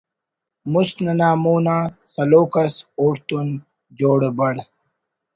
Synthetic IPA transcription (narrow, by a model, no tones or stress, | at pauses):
musnɐnaːmuːnãːsɐloːkɐsoːɾt̪un | d͡ʑoːɽebɐɽ